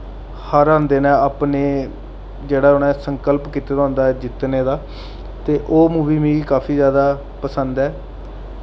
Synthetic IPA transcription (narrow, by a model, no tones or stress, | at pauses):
həɾãːnd̪eːnɛ̃ːaːpneː | d͡ʒeːɽaːʊnɛ̃ːsəŋkəlpkit̪eːɾõːnd̪aːɛːd͡ʒɪt̪neːd̪aː | t̪eːʔoːmũːʋiːmĩːiːkaːpʰiːzjaːd̪aː | pəsənd̪ɛː